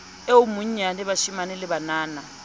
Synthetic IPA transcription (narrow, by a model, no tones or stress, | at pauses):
eumuɲanɪβaʃimanɛlɪbanaːna